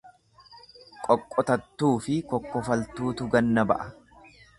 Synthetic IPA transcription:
kʼɔkʼːɔt̪ɐt̪ːuːfɪkɔkːɔfɐlt̪uːt̪ʊɡɐnːɐbɐ̰ʔɐ

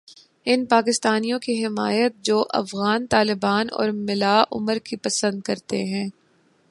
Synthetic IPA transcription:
ɪnpaːkɪst̪aːnijõkiɦɪma̰ːjət̪̚d͡ʒoːʔɐ̰fɣaːnt̪aːlɪbaːnɔ̰ːɾmɪlaːʔʊ̰məɾkipɐsə̃nd̪̚kɐɾt̪ḛɦɛ̃ː

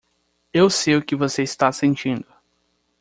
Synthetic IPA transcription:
ewsejʊkɪvoseist̪asẽnt͡ʃĩnd̪ʊ

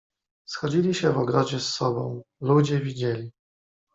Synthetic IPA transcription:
sxɔd͡ʑilʲiɕɛvɔɡɾɔd͡ʑɛsːɔbɔ̰̃w̃lud͡ʑɛvʲid͡ʑelʲi

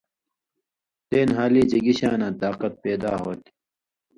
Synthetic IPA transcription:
t̪eːnɦaːliːd͡ʑɐɡiɕaːnãːt̪aːqɐt̪̚peːd̪a̰ːɦoːt̪i̥

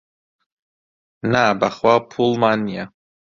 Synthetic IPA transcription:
nabaχwapʰulmania

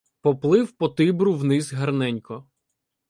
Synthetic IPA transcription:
pɔplˠɪwpɔt̪ɪbɾʊwnɪzɦɐrnɛnʲkɔ

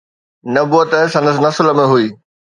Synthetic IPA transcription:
nɐbuət̪əsɐ̃nd̪əsnɐslə̆mẽɦuiː

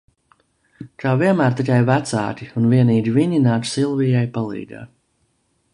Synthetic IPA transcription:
kaːviɛnmæːɾt̪ikʲajvæt̪sa̰ːkʲiunviɛniːd͡ʒʲiviɲinaːt͡ʃ̪silˠvijajpalˠḭːd̪a̰ː

